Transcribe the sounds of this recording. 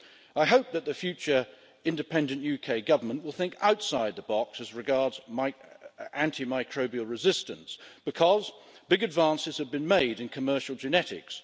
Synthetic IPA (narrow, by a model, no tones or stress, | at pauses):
aɪɦoʊp̚ðɨt̪̚ðɨfjʉt͡ʃə˞ | ɪ̃ndɨpʰɛ̃ndɨ̃nʔjʉkʰeɪɡʌvə˞mə̃nʔwəlˠθɪ̃ŋka̰ʊtsaɪd̪̚ðəbɑksɨzɹɨɡɑɹdzmaɪæ̃ntʰimaɪkʰɹ̥oʊbiɨlˠɹɨzɪstɨ̃nsb̥ɨkʰʌz | bɪɡɨdvæ̃nsɨz̥ɨvbɨ̃nmeɪɾɨ̃nkʰɨmɜ˞ʃl̩ˠd͡ʒɨnɛɾɪ̰ks